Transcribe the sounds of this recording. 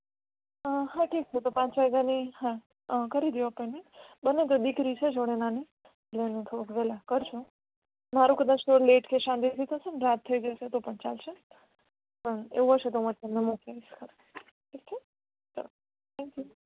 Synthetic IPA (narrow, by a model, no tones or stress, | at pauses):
əɦãʈik̚t͡ʃʰet̪opãt͡ʃʋaɡanihã | kəɾid̪iʋopənebənːet̪̬od̪ikɾit͡ʃʰed͡ʒoɽ̃enani | ɡlenũt̪ʰoukʋɛlakəɾt͡ʃʰũ | maɾũkəd̪at͡ʃt̪oleʈkeʃãnd̪it̪ʰit̪ʰəsenɾat̪ʰːəid͡ʒaʃet̪opəɳt͡ʃalʃe | pəɳḛʋũɦəʃet̪̬omãt̪əmnemukd͡ʒaiʃkʰə | kik̚t͡ʃʰe | səɾ | t̪ʰɛ̃ŋkju